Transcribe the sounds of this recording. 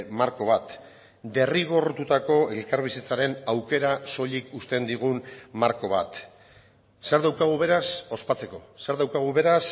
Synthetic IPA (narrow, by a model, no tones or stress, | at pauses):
maɾko̞βat̪ | d̪e̞riɣ̞o̞rt̪ut̪ako̞e̞lkaɾβ̞isit͡saɾe̞nawke̞ɾaso̞ʎikust̪e̞nd̪iɣ̞unmaɾko̞β̞a̰t̪ | seɾðawkaɣ̞uβe̞ɾaso̞spat͡se̞ko̞̰se̞ɾðawkaɣ̞uβe̞ɾas